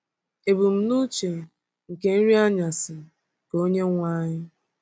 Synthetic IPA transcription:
e˨bu˨m̩˦nu˦t͡ʃe˨ | ŋ̩˨ke˨n̩˦ɾi˦a˦ɲa˨sɪ˨ | ko˦ɲe˦ŋʷaː˦ɲɪ˦

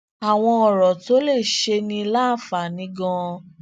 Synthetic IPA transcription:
a˨w̃ɔ̃˧ɔ˨ɾɔ˨to˦le˦˨ʃe˧nĩ˧˦la˦˨fa˨nĩ˨˦ɡɔ̃˧

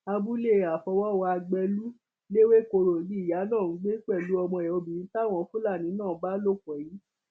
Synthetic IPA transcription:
a˧bu˦le˦˨a˨fɔ˧wɔ˦wɔ˧a˧ɡ͡bɛ˧lu˦ | le˦we˦ko˧ɾo˨di˦i˦˨ja˨˦nã˦˨n̩˨˦ɡ͡be˦k͡pɛ˦˨lu˨˦ɔ˧mɔ̃˧˨ɛ˨o˧bĩ˨nĩ˦ta˦˨w̃ɔ̃˧˦fũ˦la˦˨nĩ˨˦nãː˦˨˦ba˦lo˦˨kɔ˨ji˨˦

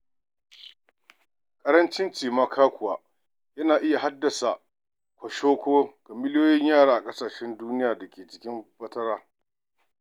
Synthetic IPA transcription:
kʼɐ˦ɾɐ˦nt͡ʃɪ˦nt͡ʃiː˨maː˦kʰaː˦kʷʊ˨waː˨ | jɐ˦naː˨ʔɪ˦ja˨ɦa˦dːɐ˨sa˨ʔ | kʷɐ˨ʃoː˦kʷoː˦kɐ˨mɪ˦ljoː˦jɪ˦ɲjaː˦˨ɽaː˦ʔa˨kʼɐ˦saː˨ʃɛ˦nduː˦nɪ˦jaː˨dɐ˨kʲʰeː˨t͡ʃɪ̥˨˦kʲɪ˦mɸɐ˦tɐ˦ɽaː˦

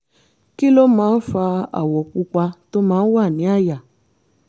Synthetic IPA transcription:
ki˦lo˦mãː˨˦n̩˦fa˧a̰˨wɔ˨ku˧ka˧to˦mãː˨˦n̩˦wa˦˨nĩ˨˦a˦˨ja˨

